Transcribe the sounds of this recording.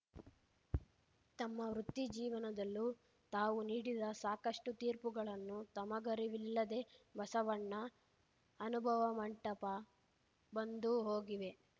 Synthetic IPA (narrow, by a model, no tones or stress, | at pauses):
t̪ɐmːɐʋɾut̪ːid͡ʒiːʋɐnɐd̪ɐlːu | t̪aːʋuniːɽid̪ɐsaːkɐʂʈut̪iːɾpuɡɐɭɐnːut̪ɐmɐɡɐɾiʋilːɐd̪e̞bɐsɐʋɐɳːɐː | nubʱɐʋɐmɐɳʈɐpɐ | bɐnd̪uɦoːɡiʋe̞